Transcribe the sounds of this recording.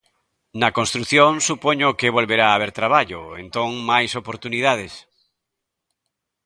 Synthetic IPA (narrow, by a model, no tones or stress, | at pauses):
nɐkonst̪ɾuθjõŋsupoɲokeβolβeɾaːβeɾt̪ɾaβ̞aʎo̰ḛnt̪õŋmajsopoɾt̪uniðað̞es